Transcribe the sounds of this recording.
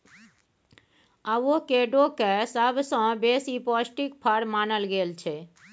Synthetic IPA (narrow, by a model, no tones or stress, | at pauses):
aokeɖokesəbʱsə̃besipɔsʈikpʰəɾmanəlɡelt͡ʃʰɛ